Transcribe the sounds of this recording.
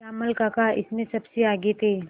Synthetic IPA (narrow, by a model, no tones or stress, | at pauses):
amɐlkakaɪ̰smẽsɐbseaːɡet̪eː